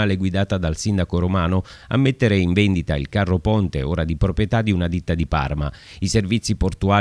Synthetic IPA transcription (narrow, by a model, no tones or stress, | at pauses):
aːleɡwid̪aːt̪ad̪alsind̪akoɾomaːnʊ | a̰mːet̪ːeɾeiɱvɛnd̪it̪a̰ḭlkarːopɔnt̪ḛoːɾad̪ipɾopɾjet̪ad̪iunad̪it̪ːad̪ipa̰rma | iservit̪sːiport̪uaː